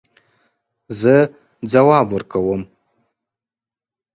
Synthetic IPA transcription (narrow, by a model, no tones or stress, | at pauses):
zɨ | d͡zɐwaːbʊrkʰɐwɐm